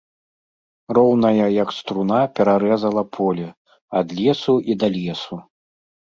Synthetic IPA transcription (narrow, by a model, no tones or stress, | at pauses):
rɔwnɐjɐjɐkst̪ɾunapʲɛɾaɾɛzɐlˠɐpʰɔlʲɛ | ɐd̪lʲɛsuʔid̪ɐlʲɛsu